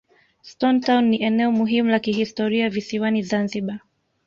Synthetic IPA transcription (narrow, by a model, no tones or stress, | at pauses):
stɔntaunːiʔɛnɛɔmuɦimulakiɦistɔɾiavisiwanizanziɓa